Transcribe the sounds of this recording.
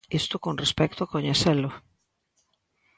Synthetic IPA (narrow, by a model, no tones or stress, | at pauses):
est̪ʊkonrespɛk̚t̪ʊakoɲeθɛlʊ